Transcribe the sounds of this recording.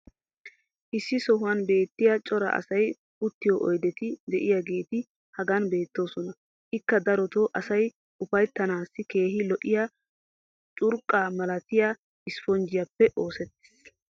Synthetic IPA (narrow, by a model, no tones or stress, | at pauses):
ʔɪsːɪsɔɦʊwɐnbe̞ːt̪ːɪjat͡ʃʼɔɾɐ̰ʔɐ̰sɐj | ʊt̪ːɪjɔʔɔjd̪ɛt̪ɪd̪ɛʔɪjaɡe̞ːt̪ɪ | hɐɡɐnbe̞ːt̪ːo̞ːsɔnɐ | ʔɪkːɐd̪ɐɾɔt̪oːʔɐsɐj | ʔʊfɐjt̪ːɐnaːsːɪke̞ːɦɪlɔʔɪja | t͡ʃʼʊɾkʼːaːmɐlɐt̪ɪja | ɪsfɔnd͡ʒɪjɐpːɛʔo̞ːsɛt̪ːɪ̥s